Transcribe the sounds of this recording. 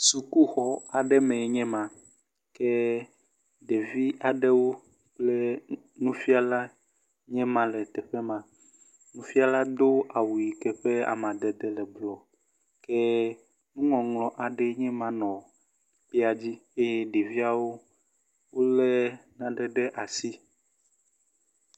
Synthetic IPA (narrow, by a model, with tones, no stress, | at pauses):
su˨ku˦xɔ˦a˨ɖɛ˦mɛ̃˨ɲɛ̃˦mã˨ | kɛ˦ | ɖe˨vi˦a˨ɖɛ˦wo˦ | k͡plɛ˦ | nũ˦fi˦a˨la˦ | ɲɛ̃˦mã˨lɛ˨t̪ɛ˨ɸɛ˦mã˨ | nũ˦fi˦a˦la˦d̪o˦a˨wu˨ji˨kɛ˨ɸɛ˦a̰˨mã˨d̪ɛ˨d̪ɛ˨lɛ˨blɔ˨ | kɛ˦ | nũ˦ŋɔ̃˨ŋlɔ̃˨ʔa˨ɖɛ˦ɲɛ̃˦mã˨nɔ̃˨ | k͡pi˦a˨d͡ʑi˦e˦jɛ˦ɖe˨vi˦a˨wo˦ | wo˦lɛ˦nã˨ɖɛ˨ɖɛ˦ʔa˨si˦